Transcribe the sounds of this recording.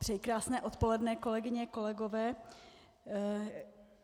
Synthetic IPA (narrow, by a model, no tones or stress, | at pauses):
t̪r̥ɛjkɾaːsnɛːʔo̞t̪po̞lɛdnɛko̞lɛɡɪɲɛko̞lɛɡovɛː